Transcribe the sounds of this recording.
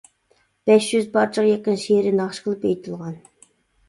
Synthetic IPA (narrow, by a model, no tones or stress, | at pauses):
b̥ɛʃjyzbɑɾt͡ʃʰəqjekʲːɪnʃiɾɪnɑχʃqʰəlˠɨpejt̪ʰɨlˠʁɑn